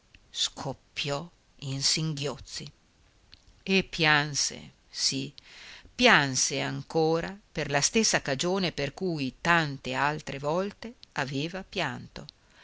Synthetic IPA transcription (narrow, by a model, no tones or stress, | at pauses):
skʰopːjɔ | insiŋɡjot̪sːi | epːjansḛ | sipjanseaŋkoːɾaperlast̪esːakad͡ʒoːneperkujt̪ant̪ealt̪ɾevɔlt̪eaveːvapjant̪o